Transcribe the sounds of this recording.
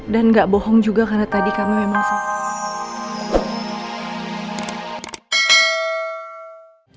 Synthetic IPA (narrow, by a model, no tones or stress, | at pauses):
danŋɡaʔbɔhɔŋd͡ʒuɡakarnat̪adikamimemaŋsa